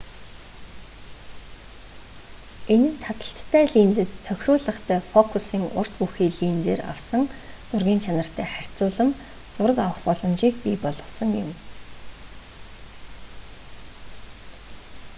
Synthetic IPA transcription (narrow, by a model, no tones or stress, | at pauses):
enɘ̆nt̪ʰat̪ə̆ɬt̪ʰːæːɮiːnt͡sɘ̆t̪ʰːœxʲrʊːɮə̆χt̪ʰæːfɔkʰusiːŋʊ̰r̥t̪puxiːɮiːnt͡seːra̰wsə̆ŋt͡sʊrɣʲiːnt͡ɕʰanə̆r̥t̪ʰæːχær̥ʲt͡sʊːɮə̆m | t͡sʊɾə̆kawə̆χpɔɮɞ̆mʃiːkpipɔɮɞ̆sə̆ŋjɪ̰m